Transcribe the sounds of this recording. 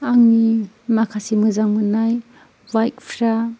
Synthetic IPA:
aŋni | makʰasimɯzaŋmɯnaj | bajt̚pʰɾa

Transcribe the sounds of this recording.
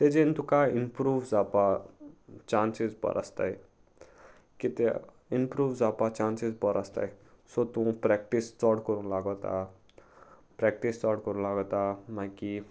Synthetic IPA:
t̪ed͡ʒent̪ukaːɪnpɾuːʋzaːpa | t͡ʃãːnsizbɔ̰ɾʔa̰st̪a̰i | kit̪e | inpɾuːʋzaːpat͡ʃaːnsizbɔɾʔast̪a̰ːi | sot̪ũpɾɛk̚ʈistɔːʈkɔɾũlaːɡot̪a̰ | pɾɛk̚ʈistɔːʈkɔɾũlaːɡot̪amãki

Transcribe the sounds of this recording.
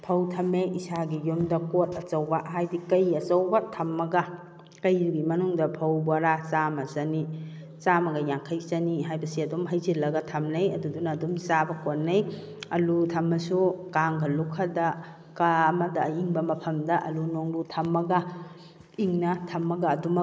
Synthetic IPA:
pʰɐwtʰɐmeʔisaɡijomdɐkot̚ɐt͡ʃɐwbɐɦajdikɐjɐt͡ʃɐwbɐtʰɐmːɐɡɐ | kɐjɡimɐnuŋdɐpʰɐwbwaɾat͡ʃamɐzɐni | t͡ʃamɐɡɐjaŋkʰajzɐniɦajbɐsiɐdumɦɐjzilɐɡɐtʰɐmnɐjɐdudunaːdumsabɐkonːɐj | ɐlutʰɐmːɐsukaŋɡɐlukʰɐdɐ | kaːmɐdɐiŋbɐmɐpʰɐmdɐʔɐlunoŋlutʰɐmːɐɡɐ | iŋnɐtʰɐmːɐɡɐːdum

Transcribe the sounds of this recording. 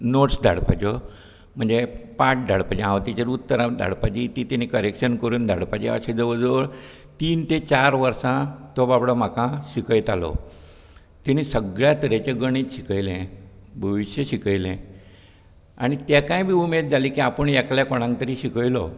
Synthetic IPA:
noʈsd̪ʱa̰ɽpad͡ʑɔ | m̤əɳd͡zepaʈ̚d̪ʱaɽpad͡ʑẽãʋt̪it͡ɕeɾut̪ːəɾãd̪ʱa̰ɽpat͡ɕiːt̪it̪ɛnikəɾekɕənkəɾuːnd̪ʱa̰ɽpat͡ɕḛə̰ɕẽd͡zəʋəd͡zoɭ | t̪iːnt̪et͡ɕaɾʋəɾsãt̪obabɽɔm̤akãɕikəjt̪alɔ̰ | t̪iñisəɡɭjat̪əɾet͡ɕeɡəɽ̃it̪ɕikəjlɛ̃bʱəʋiɕjəɕikəjlɛ̃ | a̰ɽ̃it̪jakãjbʱiːumed̪̚d͡zʱaliːkiapəɳjakljakoɽ̃ãŋk̚t̪əɾiːɕikəjlɔ

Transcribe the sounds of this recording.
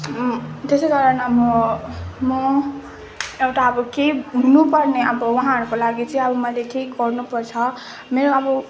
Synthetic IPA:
t̪esekaɾʌnʌbʌ | mʌ | ewʈaʌbʌkeɦunupʌrneʌbʌwaɦãɦʌɾukolaɡit͡sʌ̃ʌbʌmʌjleʈʰikɡʌrnupʌrt͡sʰʌ | meɾoʌbʌ

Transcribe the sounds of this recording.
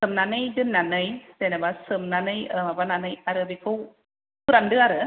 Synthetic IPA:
sɨmnanɯjdɯnːanɯjdenabasɯmnanɯjəmabananɯjaɾɯbikʰuw | kʰuɾandɯaɾɯ

